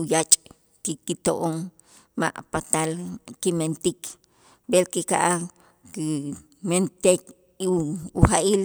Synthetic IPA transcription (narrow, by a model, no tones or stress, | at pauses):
ujat͡ʃʼ | kikit̪oʔoŋ | ma̰ʔpat̪alkiment̪ik | belkika̰ʔa | ki | ment̪ek | iuxaʔil